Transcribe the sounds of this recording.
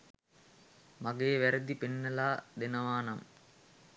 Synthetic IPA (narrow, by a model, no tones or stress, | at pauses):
maɡeːʋæɾəd̪ipenːəlaːd̪enɐʋaːnɐm